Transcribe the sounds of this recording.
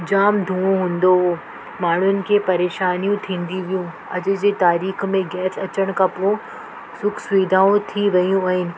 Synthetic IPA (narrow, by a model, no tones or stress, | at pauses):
d͡ʑaːmd̪ʱũːõɦũːn̆d̪o | maːɳ̤ʊnɪ̆kʰeːpɐɾeːʃaːnijũt̪ʰĩːn̆d̪iʋijũ | ɐd͡ʑʊ̆d͡ʑeːt̪aːɾiːxmẽɡɛːsʰɐt͡ɕəɽ̃kʰɐ̃põ | sʊkʰsʋiːd̪ʱaːũt̪ʰiʋɐjũaːɦɪnɪ̆